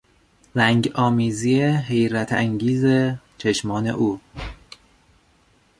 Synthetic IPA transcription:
ɾæŋɟɒːmiːzieɦe̞jɾæt̪ʰæ̰ŋɟiːzet͡ʃʰe̞ʃmɒːne̞̰ʔuː

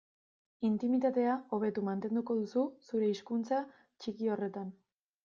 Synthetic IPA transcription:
int̪imit̪at̪e̞ao̞β̞e̞t̪umant̪e̞nd̪uko̞ð̞ususuɾe̞iskunt͡sa | t͡ʃikio̞re̞t̪an

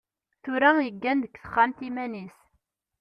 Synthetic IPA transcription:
θʊɾæjəɡːænd̪əkθə̥χːant̪imænis

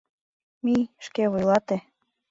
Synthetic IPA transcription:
mijʃkeβujlˠɑt̪e

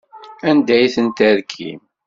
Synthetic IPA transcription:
ænd̪æjθənt̪æɾkʰḭm

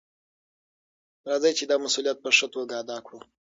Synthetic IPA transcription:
ɾad͡zajt͡ʃed̪amasulijat̪̚pəʂət̪woɡɑd̪akʰu

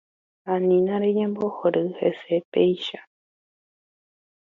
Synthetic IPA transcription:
ãnĩnãɾeɲẽmbohoɾɨhḛsepeiʃa

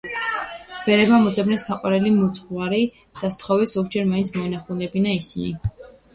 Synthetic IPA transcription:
b̥ɛɾɛbamɔd̪zɛbnɛsaqʼwaɾɛlimut̪sʰʼχwaɾi | d̪̥ast̪ʰχɔvɛsɔɡd͡ʒɛɾmaint̪sʰmɔɛnaχulˠnɛbinaisini

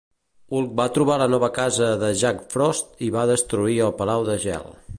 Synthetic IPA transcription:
ulˠk̚bat̪ɾuβ̞alənɔβəkazəðəʒakfɾɔst̪iβaðəst̪ɾuiəlˠpəlawðəʒɛ̰lˠ

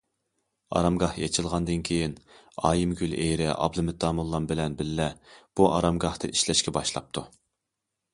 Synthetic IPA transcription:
ɑ̰ɾɑmɡɑhjet͡ʃʰɨlˠʁɑnd̪ɨnkʲʰejin | ɑ̰ːjimɡʲylejɾɪʔɑ̰blˠɨmɪt̪ːɑmulˠːɑmbɪlɛnbɪlːɛb̥uʔɑɾɑmɡɑht̪ɨ̰ʔiʃlɛʃkʲɛbɑʃlˠɑ̰p̚t̪ʰu

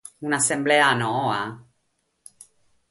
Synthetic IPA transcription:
unasembleanoa

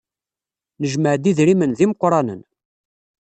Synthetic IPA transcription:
nəʒməʕd̪iðɾimənðiməqːɾˤɑnə̰n

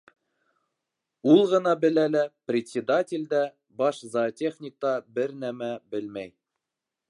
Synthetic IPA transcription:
ulˠʁɤ̆nɑbɘ̆lælæprʲɪt̪ʲsʲɪd̪atʲɪlʲd̪æ | bɑʃzatʲeχnʲɪk̚t̪ɑbɘɾnæmæbɘlmæj

